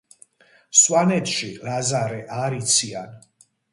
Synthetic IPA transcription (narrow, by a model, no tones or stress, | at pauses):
swanɛt̪ʃilazaɾɛʔaɾit̪sʰian